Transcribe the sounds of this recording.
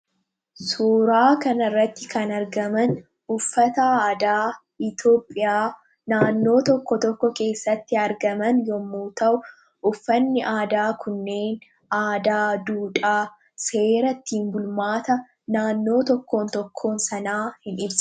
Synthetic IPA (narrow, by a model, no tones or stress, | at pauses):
suːɾaːkɐnɐrːɐt̪ːɪkɐnɐɾɡɐmɐn | ʊfːɐt̪ɐaːd̪aː | ɪt̪o̞ːpʼːɪjaː | naːnːo̞ːt̪ɔkːɔt̪ɔkːɔke̞ːsːɐt̪ːɪɐɾɡɐmɐnjɔmːuːt̪ɐʔʊ | ʊfːɐnːɪʔaːd̪aːkʰʊnːe̞ːn | aːd̪aːd̪uːᶑʼaː | se̞ːɾɐt̪ːiːmbʊlmaːt̪ɐ | naːnːo̞ːt̪ɔkːo̞ːnt̪ɔkʰːo̞ːnsɐnaːhɪnɪbsɐ̥